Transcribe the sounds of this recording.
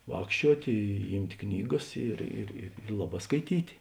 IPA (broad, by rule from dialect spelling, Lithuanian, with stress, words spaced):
ˈʋɑːkʃʲt͡ʃʲuɔtʲ ˈiːmʲtʲ ˈknʲiːˌɡɐs ˈɪr ɪr ɪr ˈlˠɑːˌbɑː skɐɪˈtʲiːtʲ